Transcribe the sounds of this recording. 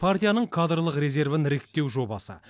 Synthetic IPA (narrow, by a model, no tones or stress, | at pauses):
pʰart̪ijanəɴkʰad̪rlˠəqɾe̞ze̞rvɪnɾe̞kt̪ːe̞wʒo̞bɑ̰sə̰